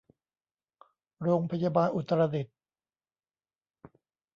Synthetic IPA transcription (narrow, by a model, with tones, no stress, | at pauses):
ɾoː˧ŋpʰa˧jaː˧baː˧nʔu˨˩t̪ːɾa˧di˨˩t̪̚